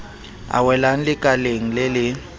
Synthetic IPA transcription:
a̰wɛlan̩lɪkʼaleŋ̩lɪlɪ

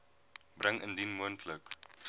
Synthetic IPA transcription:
brəŋəndinmuəntʰlək

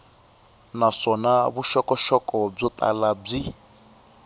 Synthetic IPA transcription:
nasɔnaβuʃɔkʼɔʃɔkʼɔb͡ʐɔt̪ʼa̰lab͡ʐi

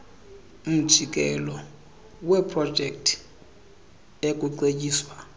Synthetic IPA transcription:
um̩d̥ʒ̥ʱik̬ʼɛlɔ | wepʰrɔd̥ʒ̥ʱɛk̚tʰ | ekʼuǀecʼiːswa

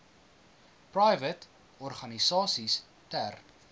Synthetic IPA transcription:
prɐjvət | ɔrχɐnisɑːsis | tær

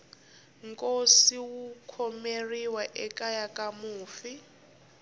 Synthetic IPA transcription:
ŋkʼosiwukʰɔmeriwaʔɛkʼajakʼamuːfi

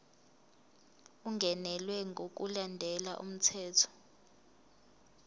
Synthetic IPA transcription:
uŋɡʱɛnɛlwɛŋɡʱok̬ulandʱɛlaʔṵm̩tʰɛːtʰɔ̥

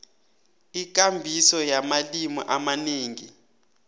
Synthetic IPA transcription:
ik̬ʼambʱisɔjamalimɔ̰ʔamaneːŋi

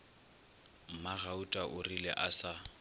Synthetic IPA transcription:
m̩maɣautʼaʔʊrilɛ̰ʔasa

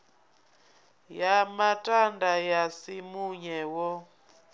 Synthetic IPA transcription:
jamatʼandajasimuɲɛwɔ

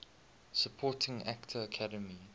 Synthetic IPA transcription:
səpʰɔtʰɪ̃ŋa̰ktʰəːkʰadəmi

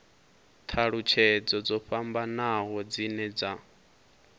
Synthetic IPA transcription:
t̪ʰaɺut͡ʃʰɛd͡zɔd͡zɔɸambanaɦɔd͡zinɛd͡za

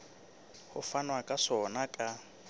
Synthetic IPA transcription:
hʊfanwakʼaʂɔnakʼa

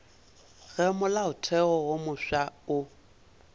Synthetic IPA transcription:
ɣɛmʊlaʊtʰɛɣɔwomʊʃaʊ

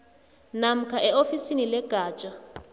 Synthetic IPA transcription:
nam̩kʰaʔɛofisinilɛɡ̥ʱaːt͡ʃʼa

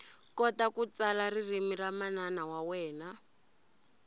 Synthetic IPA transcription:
kɔtakut͡salaririmiramananawawɛːna

